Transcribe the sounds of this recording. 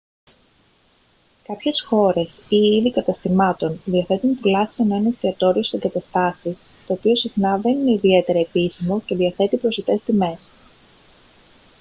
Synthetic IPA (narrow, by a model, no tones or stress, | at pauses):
kɐpçe̞sxo̞ɾe̞siiðikɐt̪ɐst̪imɐt̪o̞nðiɐθe̞t̪unt̪ilɐθieno̞inɐst̪iɐt̪o̞ɾioseɡɐt̪ɐst̪ɐsis | t̪o̞ːpio̞sixnɐðe̞nine̞iðie̞t̪e̞ɾɐepisimo̞ce̞ðiɐθe̞t̪ipɾo̞set̪e̞st̪ime̞s